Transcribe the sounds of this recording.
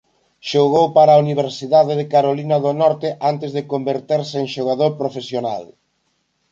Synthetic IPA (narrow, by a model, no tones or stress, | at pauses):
ʃoɣowpaɾauniβ̞eɾsiðaðɪðɪkaɾolinɐðonɔɾt̪ɪʔant̪ɪzðɪkombeɾt̪eɾseːŋʃoɣ̞aðoɾpɾofesjona̰l